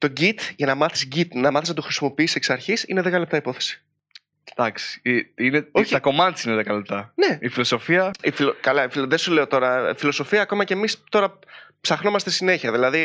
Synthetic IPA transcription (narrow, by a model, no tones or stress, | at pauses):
t̪o̞ɟit̪ʝɐnɐmɐθi̥sɟit̪nɐmɐθisnɐt̪uxɾisimo̞piiseksɐɾçisine̞ðekɐle̞p̚t̪ɐipo̞θesi̥ | d̪ɐksi̥iineoçɐko̞mɐnt̪sineðekɐlep̚t̪ɐne̞ifilo̞so̞fiɐifilokɐlɐifilðesule̞o̞t̪o̞ɾɐfilo̞so̞fiɐːko̞mɐcemist̪o̞ɾɐpsɐxno̞mɐst̪esine̞çiɐðilɐði